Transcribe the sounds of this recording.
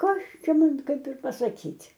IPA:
ˈkɐs ˈt͡ʃʲɛ ˈmɐn ˈkɐɪp ɪr pɐsɐˈkʲiːtʲ

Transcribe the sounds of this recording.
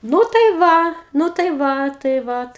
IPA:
ˈnuː tɐɪ ˈʋɐ nʊ tɐɪ ˈʋɐ tɐɪ ˈʋɐt

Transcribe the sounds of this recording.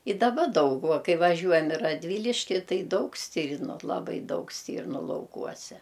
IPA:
ɪ dɐˈbɐ ˈdɐʊk ʋɐ ˈkɐɪ ʋɐˈʒʲuɔjɛm ɪ rɐdʲˈʋʲiːlʲɪʃʲkʲɪ ˈtɐɪ ˈdɐʊk ˈsʲtʲiːrnʊ lˠɐˈbɐɪ ˈdɐʊk ˈsʲtʲiːrnʊ lˠɐʊˈkuɔsʲɛ

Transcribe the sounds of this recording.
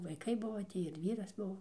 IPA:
ʋɐɪˈkɐɪ ˈbʊʋoː ˈtʲiː ɪr ˈʋʲiːrɐs ˈbʊʋoː

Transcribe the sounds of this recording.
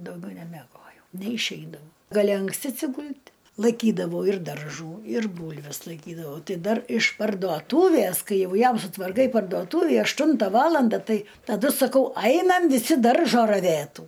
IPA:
dɐʊˈɡʲɛʊ nʲɛmʲɛˈɡoːjɛʊ nʲɛɪʃʲˈɛɪdɐʊ ɡɐˈlʲɪ ɐŋksʲˈtʲɪ ɐtʲsʲɪˈɡʊlʲtʲ lˠɐɪˈkʲiːdɐʋɐʊ ɪr dɐrˈʒuː ɪr ˈbuːlʲʋʲɛs lˠɐɪˈkʲiːdɐʋɐʊ ˈtɐɪ ˈdɐr ɪʃ pɐrduɔˈtuːʋʲæs ˈkɐɪ ˈjɛʊ ˈjɛm sʊtʋɐrˈkɐɪ pɐrduɔˈtuːʋʲiː ɐʃˈtʊntɐ ˈʋɑːlˠɐndɐ ˈtɐɪ tɐˈdʊ sɐˈkɐʊ ˈɐɪnɐm ʋʲɪˈsʲɪ ˈdɐrʒoː rɐˈʋʲeːtuː

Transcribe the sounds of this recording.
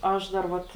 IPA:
ˈɐʃ dɐr ˈʋɐt

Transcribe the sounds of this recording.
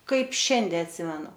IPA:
ˈkɐɪp ˈʃʲɛnʲdʲɛ ɐtʲˈsʲɪmʲɛnʊ

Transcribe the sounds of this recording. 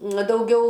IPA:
ˈnɐ dɐʊˈɡʲɛʊ

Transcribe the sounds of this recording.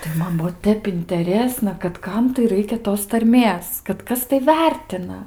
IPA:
tɐɪ ˈmɐn ˈbuɔ ˈtʲɛp ɪnʲtʲɛˈrʲeːsnɐ kɐt ˈkɐm tɐɪ ˈrɐɪkʲɛ ˈtoːs tɐrʲˈmʲeːs kɐt ˈkɐs tɐɪ ˈʋʲɛrʲtʲɪnɐ

